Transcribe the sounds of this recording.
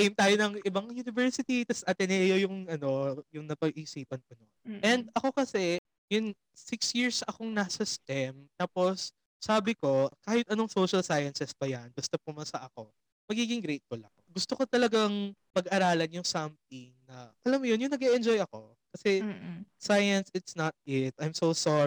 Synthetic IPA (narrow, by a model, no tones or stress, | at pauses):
ejmt̪aːjonɐŋɪbɐŋjunɪvɛɹsɪt̪it̪ɐsʔɐt̪ɛnɛjojʊŋɐno̞jʊŋnɐpɐɡʔɪsiːpɐnkʊnonʔɛnd̪̚ɐko̞kɐsɛ | jʊn | sɪksjiɹsʔɐko̞ŋnasɐst̪ɛmt̪aːpo̞sː | aːbɪko̞kaːhɪt̪̚ɐno̞ŋsowʃɐlsajɐnsɛspɐjanbʊst̪opʊmɐsɐʔɐko̞ | mɐɡiːɡɪŋɡɾejt̪̚fʊlʔɐkoɡʊst̪oko̞t̪ɐlɐɡaŋmɐɡʔɐɾaːlɐnjʊŋsɐmt̪̚ɪŋnɐʔɐlɐmjonjʊŋnɐɡɛʔɛnd͡ʒojɐko̞ | kɐsɛsajɐnsɪt̪snɐt̪̚ɪt̪̚ʔajmsowsɔ